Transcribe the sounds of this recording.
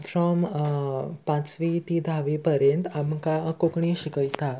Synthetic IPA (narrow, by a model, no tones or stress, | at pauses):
fɾɔm | pãt͡sʋit̪id̪ʱaʋipəɾjẽnt̪amkakokɳĩɕikəjt̪a